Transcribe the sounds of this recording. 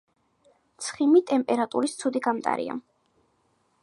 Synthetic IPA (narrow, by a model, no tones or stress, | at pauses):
t̪sʰχimit̪ʼɛmpʼɛɾat̪ʼuɾist̪sʰud̪iɡamt̪ʼa̰ɾḭa̰